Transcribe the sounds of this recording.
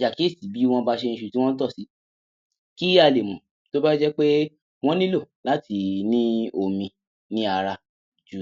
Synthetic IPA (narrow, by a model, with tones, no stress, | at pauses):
ja˨ki˨˦e˦˨si˨˦bi˨˦w̃ɔ̃˦ba˦˧ʃe˧ñ̩˧ʃu˧ti˦w̃ɔ̃˦n̩˦tɔ˦˨si˨˦ | ki˦a˧le˨mũ˨ | to˦ba˦d͡ʒɛ˦k͡pe˦ | w̃ɔ̃˦nĩ˦lo˦˨la˨˦ti˧nĩ˦o˧˨mĩ˧ | nĩ˦a˧ɾa˧˨ | d͡ʒu˨˦